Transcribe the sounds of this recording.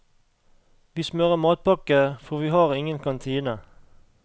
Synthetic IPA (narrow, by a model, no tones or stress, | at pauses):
ʋiːsmœʁəmɑːt̪̚pɑkəfɔʁʋiːhɑːʁɪŋənkʰɑnt̪ʰiːnə